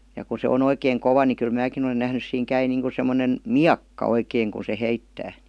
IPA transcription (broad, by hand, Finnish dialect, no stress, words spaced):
jɑ ku se on oikeːŋ koʋɑ ni kyl mæːkin olen næhnys siːŋ kæi niːŋku semːonen miɑkːɑ oikeːŋ ku se heitːæː